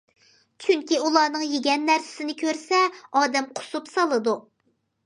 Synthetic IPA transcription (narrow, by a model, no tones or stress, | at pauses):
t͡ʃʰyŋkʲiulˠɑːnɨŋjeɡʲɛnːæɾsɪ̥sɪnɪkʲʰøɾsɛɑːd̪ɛmqʰʊ̥supsɑlˠɨd̪u